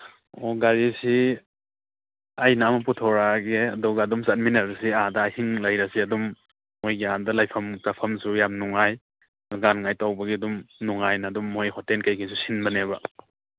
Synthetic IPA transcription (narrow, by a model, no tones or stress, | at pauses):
oɡaɾisi | ajnamɐputʰɔɾaɡeɐdɔɡɐɐdumsat̚minɐɾɐsiadɐahiŋlɐjɾɐsiɐdumː | ojɡiadɐlajpʰɐmtapʰɐmsujamnuŋaj | ɡanŋajtawbɐɡiɐdumnuŋajnɐːdumːojhɔtenkɐjkʰis̬usinbɐnebɐ